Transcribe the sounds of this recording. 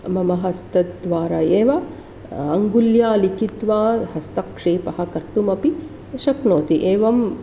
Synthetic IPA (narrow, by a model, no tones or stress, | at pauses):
mɐmɐɦɐst̪ɐt̪d̪ʋaːɾaːeːʋɐ | ɐŋɡuljaːlikit̪ʋaːɦɐst̪ɐkʂeːpɐɦɐ̆kɐɾt̪umɐpi | ʃɐknoːt̪iʔeːʋɐm